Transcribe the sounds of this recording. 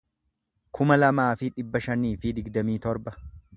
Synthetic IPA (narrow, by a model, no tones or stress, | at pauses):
kʰʊmɐlɐmaːfɪᶑɪbːɐʃɐniːfɪd̪ɪɡd̪ɐmiːt̪ɔɾbɐ